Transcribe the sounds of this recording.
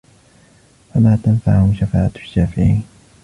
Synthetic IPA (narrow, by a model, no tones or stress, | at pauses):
famaːt̪anfaʕhʊmʃafa̰ːʔaʃːaːfɪʕiːn